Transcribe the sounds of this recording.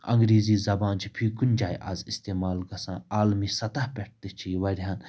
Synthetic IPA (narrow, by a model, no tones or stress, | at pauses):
ɐ̰̃ŋɡɾiːziːzɐbaːnt͡ʃʰipʰiːkunʲd͡ʒaːjʔa̰zist̪eːmaːlɡɐsãːaːlmisɐt̪ahpʲɛʈ̚t̪et͡ʃʰiʋɐɾʲiɦaːn